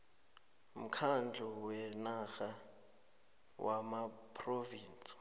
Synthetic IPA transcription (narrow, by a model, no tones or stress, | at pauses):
m̩kʰand͡ɮʱɔwɛnaxa | wʔamapʰʼroviːnt͡sʼi̥